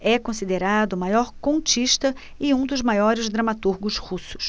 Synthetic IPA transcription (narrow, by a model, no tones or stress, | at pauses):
ɛkõsid̪eɾad̪ʊmajɔɾkõt͡ʃiʃt̪ɐ | ɪũd̪ʊzmajɔɾɪzd̪ɾɐmat̪uɾɡʊshusʊ̥s